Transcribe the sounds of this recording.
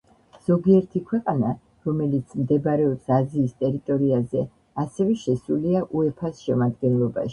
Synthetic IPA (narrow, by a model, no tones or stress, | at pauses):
z̥ɔɡiɛɾt̪ʰikʰwɛqʼana | ɾɔmɛlit̪sʰmd̪ɛbɾɛɔpsaziːst̪ʼɛɾit̪ʼɔɾiazɛ | asɛvɛʃɛsuliaʔuɛpʰasʃɛmad̪ɡɛnlˠɔba̰ʃi̥